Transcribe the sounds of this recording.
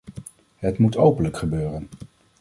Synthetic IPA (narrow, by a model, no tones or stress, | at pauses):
ɦətmutʰowpənləkχəbøːrən